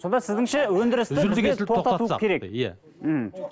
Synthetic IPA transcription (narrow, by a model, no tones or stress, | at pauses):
so̞nd̪ɑsɪzd̪ɪŋʃewɵnd̪ɪɾɪst̪ɪɡʲeeot̪ɑukʲʰe̞ɾe̞kja̰ | hm̩